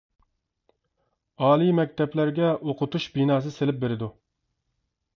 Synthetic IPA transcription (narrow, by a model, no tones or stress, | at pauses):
ɑːlˠimɛk̚ʲt̪ɛblæɾɡʲɛʔoqʰʊt̪uʃbinɑːs̬ɨselɪp̚beɾɪd̪u